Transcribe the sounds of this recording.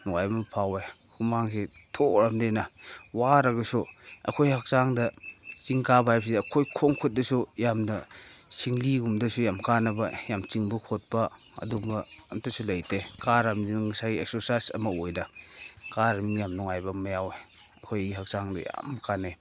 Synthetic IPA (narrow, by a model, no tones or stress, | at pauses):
nuŋajbɐmɐpʰawe | humaŋsetʰoɾamdenɐwaɾɐɡɐsuɐ̰kʰojhak̚saŋdɐt͡ʃiŋkabajpsidːkʰojkʰoŋkʰut̚dɐsujamnɐsiŋliɡumdɐsujamkanɐbɐjamt͡ʃiŋbɐkʰot̚pɐ | ɐ̰dumɐɐmtasulɐjtekaɾamninŋasajiek̚soɾsajsɐ̰mɐojnɐkaɾɐmniŋjamnuŋajbɐmɐjawe | ɐkʰojɡihak̚saŋdɐ̰ja̰mkʰane